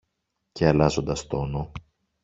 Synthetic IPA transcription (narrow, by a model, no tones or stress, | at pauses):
ce̞ɐlɐzo̞nd̪ɐst̪o̞no